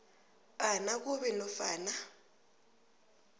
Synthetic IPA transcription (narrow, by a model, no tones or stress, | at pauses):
anakuβɛnɔfaːna